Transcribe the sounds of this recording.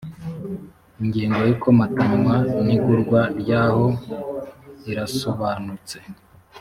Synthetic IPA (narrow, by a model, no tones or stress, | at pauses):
iŋɟiːŋɡo̞jukomatumaniɡuɾɡwaɾɟaːho̞ | iɾasoβaːnut͡se̞